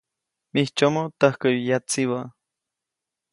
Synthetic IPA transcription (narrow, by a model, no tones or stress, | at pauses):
miht͡ʃomot̪ahkəjjat͡siwa